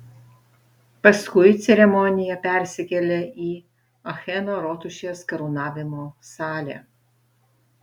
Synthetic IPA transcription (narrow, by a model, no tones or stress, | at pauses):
pɐskʊɪt̪sʲɛɾʲɛmɔnʲɪjɛpʲɛɾʲsʲɪkʲɛlʲeʔiː | ɐxʲɛnoːɾoːt̪ʊʃʲeːskɐɾunɑːʋʲɪmoːsɑːlʲɛ̰